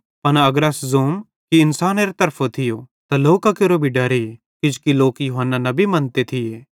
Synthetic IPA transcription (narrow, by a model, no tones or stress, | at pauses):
pɐnɐɡəɾɐszoːm | kiɪnsaːneːɾt̪ɐɾpʰot̪ʰɪjot̪aloːkakeɾobʱiɖɐɾe | kɪd͡ʒkiloːkjʊːɦənːanɐbʱimɐnt̪et̪ʰɪjeː